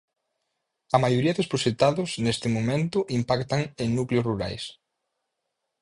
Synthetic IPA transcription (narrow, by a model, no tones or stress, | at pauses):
ɐmajoɾiɐðospɾoʃet̪aðʊsnest̪ɪmomẽnt̪ʊʔimpakt̪aŋeŋnukleosruɾa̰js